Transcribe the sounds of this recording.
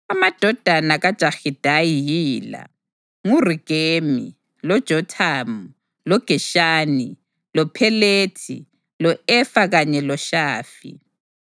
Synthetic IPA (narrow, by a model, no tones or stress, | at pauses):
amad̥ʱɔd̥ʱanaɣad̥ʒ̥ʱaxid̥ʱajijiːla̰ | ŋuriɡ̥ʱemi | lɔd̥ʒ̥ʱɔtʰamu | lɔɡ̥ʱɛʃaːni | lɔpʰɛleːtʰḭ | lɔɛfaɣaɲɛlɔʃaːfḭ